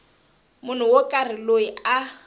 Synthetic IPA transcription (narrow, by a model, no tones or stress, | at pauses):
mʊn̤ʊwokʼarɪloia